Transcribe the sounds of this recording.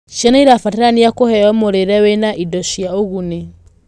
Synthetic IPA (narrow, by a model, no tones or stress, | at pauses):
ʃianaiɾafatɛɾaniakohɛɔmoɾeɾɛwenaʔidɔʃiaoɣune